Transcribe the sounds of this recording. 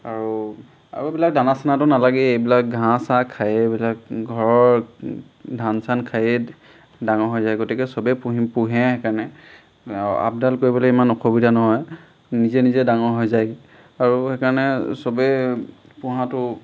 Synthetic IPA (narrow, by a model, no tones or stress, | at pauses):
aɹu | a̰bbilak̚danasanatʊnalaɡɛejbilak̚ɡʱãsakʰajebilak̚ɡʱɔɹɔɹ | dʱansankʰaje | daŋɔɹɦɔjzajɡotikɛsɔbɛpuɦpuɦɛ̃hɛkanɛ | a̰b̚dalkoɹibɔlɛimanɔxobidʱanɔɦɔj | nizɛnizɛdaŋɔɹɦɔjzaj | aɹuxɛkaɹnɛsɔbɛ | pʊɦãtʊ